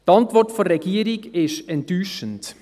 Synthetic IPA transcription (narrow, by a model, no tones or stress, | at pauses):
tɑntvɔrtfoɾɛɡiːɾiɡɪʃtɛntːyːʃənt